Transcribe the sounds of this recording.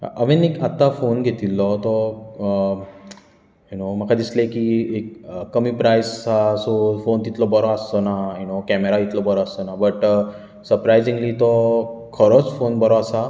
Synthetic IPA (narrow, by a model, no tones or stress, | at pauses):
ʔəʋɛnekat̪ːafonɡʱet̪ilːɔt̪ɔ | junom̤əkʰad̪islekiek̚ːəmiːpɾajst͡sasofont̪it̪lɔbəɾɔəst̪ɔnajunokɛmeɾait̪lɔbəɾɔəst̪ɔnabəʈ | səɾpɾajzĩŋɡlit̪ɔkʰəɾot͡sfonbəɾɔasa